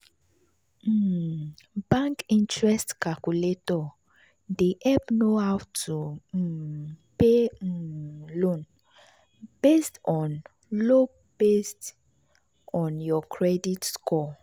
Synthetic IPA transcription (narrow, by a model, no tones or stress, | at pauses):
bãŋkĩntɹɛstkakuletɔ | deʔɛpnohawtʰu | pe | lõn | b̥estɔ̃n | lo | b̥est | ɔ̃njɔkʰɹɛditskɔ